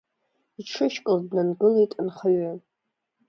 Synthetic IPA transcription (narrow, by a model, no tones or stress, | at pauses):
iʈ͡ʂʰɨʃkʷʼʊldnanɡɨlaitʼanχaɥa